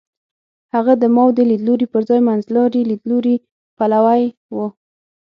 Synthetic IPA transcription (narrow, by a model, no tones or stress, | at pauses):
haɣad̪əmɑwd̪əlid̪loɾipəɾzɑjmanzlɑɾilid̪loɾi | palawaj | wə